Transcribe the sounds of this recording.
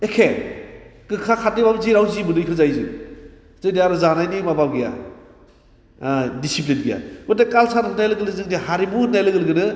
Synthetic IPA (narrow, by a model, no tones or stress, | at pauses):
ekʰe | kɯkʰakʰat̚nibabziɾawzimɯnɯikʰɯzajzɯ̰ | zɯjdiaɾuzanajnimababɡija̰ | disip̬linɡija̰ɡɔdakalsaɾʰɯnajlɯɡɯlɯzɯŋdihaɾibunajlɯɡɯlɡɯnɯ